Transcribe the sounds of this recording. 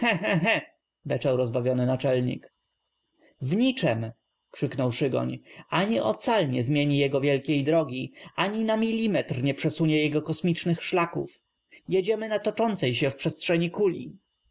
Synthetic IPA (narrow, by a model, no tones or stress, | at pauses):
hɛ̃ɦɛ̃ɦɛ̃ | bɛt͡ʂɛwɾɔzbavʲjɔnɘnat͡ʂɛlɲḭk | vɲit͡ʂɛm | kʂɘknɔwʂɘɡɔ̰ɲaɲiʔɔ̰t̪salɲɛzmʲjeɲijɛɡɔvʲjɛlkʲejd̪ɾɔɡʲiʔaɲinamʲilʲːimɛt̪rɲɛpʂɛsuɲɛjɛɡɔkɔsmʲit͡ʂnɘxʂlakṵf | jɛd͡ʑɛmɘnat̪ɔt͡ʂɔnt̪sɛjɕɛfpʂɛstʂɛɲikulʲḭ